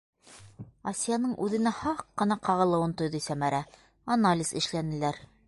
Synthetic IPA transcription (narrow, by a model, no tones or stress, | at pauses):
ɐsʲijanɤɴʔʉðɘ̆næhɑqːɤ̆nɑqɑʁɤ̆lˠɤ̆wɤnt̪ŏjðɤsæmæɾæ | ɐnalʲiz̥ɘ̰̆ʃlænɘ̆læɾ